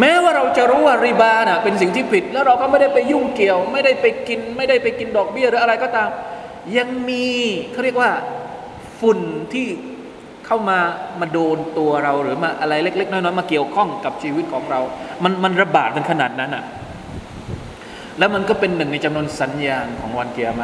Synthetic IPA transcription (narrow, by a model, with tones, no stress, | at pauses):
mɛː˦˥waː˥˩ɾa˧wt͡ɕa˨ʔɾuː˦˥waː˥˩ɾi˧˩baː˧na˨˩pe˧nsi˨˩ŋt̪ʰiː˥˩pʰi˨˩t̪̚lɛː˦˥wɾa˧wkɔ˥˩ma˥˩jda˥˩jpa˧jːu˥˩ŋki˨˩əwma˥˩jda˥˩jpa˧jki˧nma˥˩jda˥˩jpa˧jki˧ndɔː˨˩k̚bi˥˩ɐɾɯː˩˦a˧ɾa˧jkɔː˥˩t̪aː˧m | ja˧ŋmiː˧kʰa˥˩ɾi˥˩ək̚waː˥˩ | fu˨˩nt̪ʰiː˥˩ | kʰa˥˩wmaː˧maː˧doː˧nt̪u˧ɐɾa˧wɾɯː˩˦˥maː˧ʔa˧ɾa˧jle˥˩k̚le˦˥k̚nɔː˥˩nɔː˦˥˩maː˧ki˨˩əwkʰɔ˥˩ŋka˨˩p̚t͡ɕʰiː˧wi˦˥t̪̚kʰɔː˩˦ŋɾa˧wma˧nma˧nɾa˧baː˨˩t̪̚ka˧nkʰa˧naː˨˩t̪̚na˦˥nʔa̰˨˩ʔ | lɛː˦˥wma˧nkɔː˥˩pe˧nːɯ˨˩ŋna˧jt͡ɕa˧mnu˧ənsa˩˦njaː˧ŋkʰɔ̰ː˩˦ŋwa˧nki˨əmaː˧